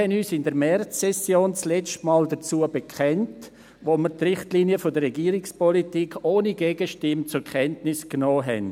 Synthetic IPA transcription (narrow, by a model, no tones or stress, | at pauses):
hɛnyːsɪndəɾmɛrt͡sːɛsjoːnt͡slɛt͡stmaːldət͡suəbəkʰɛnt | ʋoːməɾtrɪχtliːniəfodəɾrɛɡiːɾikspɔlitiːkʰoːniɡeːɡəʃtɪmt͡sʊɾkʰɛntnɪsknɔːɦɛ̰n